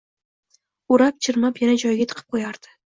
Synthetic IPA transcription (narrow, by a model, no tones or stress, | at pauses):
uɾap̚t͡ʃʰɪɾmapjanad͡ʒɒjɡʲat̪ʰɨ̥qʰɨ̥p̚qʰojaɾd̪̥ɪ̥